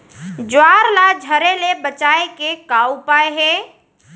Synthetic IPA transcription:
d͡ʒwaːɾlad͡ʒʱəɾelebət͡ʃaːekekaːupaːeɦɛː

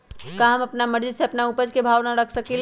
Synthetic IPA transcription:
kaɦəməpnaməɾd͡ʒiseəpnaupəd͡ʒkebʱaʋnaɾəkʰsəkil

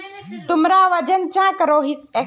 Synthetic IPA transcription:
t̪ʊmɾaːʋɐd͡ʒənt͡ɕãːkəɾoːɦɪse

